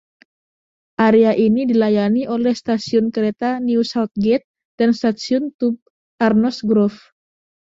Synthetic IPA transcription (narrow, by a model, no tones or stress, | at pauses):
ʔaɾeaʔinidilajaniʔolɛhst̪asiʊnkəɾet̪aniusawt̪̚ɡɛt̪̚ | d̥anst̪at̪siɔʊnt̪up̚ | ʔarnɔsɡɾɔf